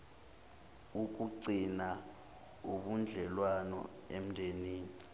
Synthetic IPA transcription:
uk̬uǀina | uɓund͡ɮʱɛlwanɔ̰ | em̩ndʱeniːni

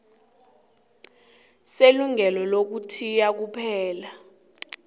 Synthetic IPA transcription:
seluŋɛlɔlok̬utʰijak̬upʰɛːla

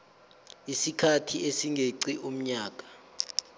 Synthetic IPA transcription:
isikʰatʰiesiŋɡʱeǀiʔum̩ɲaːk̬ʼḁ

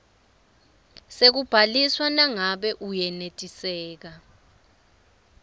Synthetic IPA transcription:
sek̬ub̥ʱaliswanaŋaɓɛʔujɛnetʼisɛːk̬a

